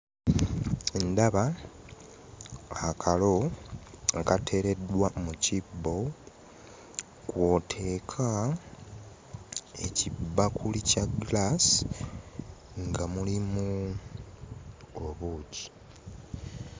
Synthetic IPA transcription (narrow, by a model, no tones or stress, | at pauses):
endaβa | kʰalo̞ | ŋkatʰe̞ːɾe̞dwamucibːo̞ | kwo̞tʰe̞ːkʰa | e̞cibːakʰulicaɡlas | ŋɡamulimu | oβuːci̥